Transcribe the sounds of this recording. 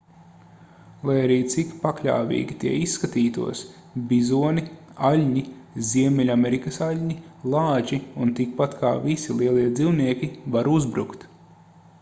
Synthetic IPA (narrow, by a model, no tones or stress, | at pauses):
lˠajaɾiːt̪sikpaklʲa̰ːvʲḭːɡʲit̪iɛisːkat̪iːt̪ṵɔs | bʲizuɔnialʲɲi | zʲiɛmʲɛlʲameɾikɐsalʲɲilˠɑːd͡ʒiunt̪ik̚pat̪kʰa̰ːvisilˠiɛlˠiɛd̪ziwniɛkʲivaɾuzbɾukt̪